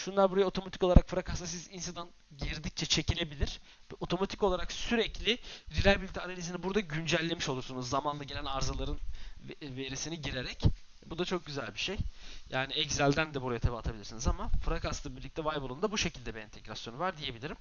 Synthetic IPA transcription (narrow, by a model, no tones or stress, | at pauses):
ʃunlˠaɾbuɾajao̞t̪ʰo̞mat̪i̥kolˠaɾakfɯɾakʰasasizinsɯd̪an | ɟiɾd̪ic̚t͡ʃʰɛt͡ʃʰe̞cʰilʲe̞bilʲiɾ̥ | o̞t̪ʰo̞mat̪ʰiko̞lˠaɾaksyɾɛclʲɪɾilʲælʲbilʲit̪ʰianalʲizinibuɾd̪aɟynd͡ʒælʲːe̞miʃo̞lˠuɾsunuzːamanˠaɟe̞lʲænaɾzalˠaɾɯn | ve̞ɾisiniɟiɾe̞ɾɛc | bud̪at͡ʃʰo̞k̚ɟyzælʲbiʃejjaːniɛɟzælʲd̪ænd̪ɛbuɾajat̪ʰebat̪ʰabilʲiɾsinizamafɯɾakast̪lˠabiɾlʲic̚t̪ʰɛvajbolˠund̪abuʃe̞cʰilʲd̪ɛbiɛnt̪ʰeɡɾasjo̞nuvaɾd̪ije̞bilʲiɾim